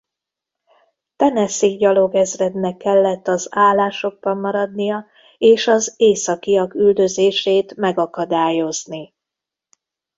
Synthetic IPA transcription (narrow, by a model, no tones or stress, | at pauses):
t̪ɛnɛsiɡɟɒlo̞ɡɛzrɛd̪nɛkːɛlːɛt̪ːɒzaːlːaːʃo̞ɡ̚bɒmːɒɾɒd̪nijɒ | eːʃɒzeːsɒkijɒkyld̪ø̞zeːʃeːt̪mɛɡɒkɒd̪aːjo̞zni